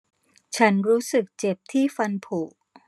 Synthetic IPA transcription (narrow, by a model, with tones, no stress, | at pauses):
t͡ɕʰa˦˥nɾuː˦˥sɯ˨˩k̚t͡ɕe˨˩p̚t̪ʰiː˥˩fa˧npʰuː˨˩ʔ